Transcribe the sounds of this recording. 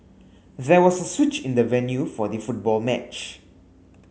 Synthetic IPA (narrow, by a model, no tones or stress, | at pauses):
ðɛwɔsəswɪt͡ʃɪ̃nd̪əvɛ̃njufɔdəfut̚bɔlmɛt͡ʃ